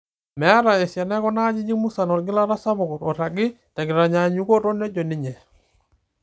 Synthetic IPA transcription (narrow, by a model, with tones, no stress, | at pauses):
mɛ˨a˦ɾa˨ɛ˨sja˨nɛ˦kɔ˦na˦ɲi˦d͡ʒi˦mu˦sa˨nɔ˨ɾɡɪ˦la˦ɾa˦sa˦βɔ˨kɔ˨ɾɔ˨ɾa˨ɡɪ˦ | ta˨ɡɪ˨ɾa˨ɲa˨ɲu˦kɔ˦ɾɔ˦nɛ˦d͡ʒɔ˨ni˨ɲɛ˨